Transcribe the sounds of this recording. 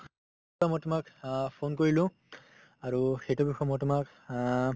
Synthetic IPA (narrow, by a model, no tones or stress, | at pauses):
ɹamɔjtʊmakpʰonkoɹilʊ̃ | aɹuxejtubixʰɔmɔjtʊmak